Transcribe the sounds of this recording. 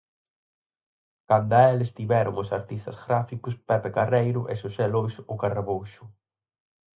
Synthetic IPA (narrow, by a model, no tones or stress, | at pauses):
kand̪aɛlest̪iβɛɾʊ̰ŋʊsaɾt̪ist̪ɐzɣɾafikʊspɛpekarejɾʊʔesosɛlojsʊkaraβowʃʊ